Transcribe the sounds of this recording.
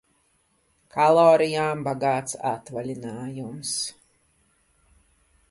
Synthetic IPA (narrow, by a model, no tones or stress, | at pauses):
kʰalˠɔːɾijaːmbaɡaːt̪sa̰t̪valʲinaːjums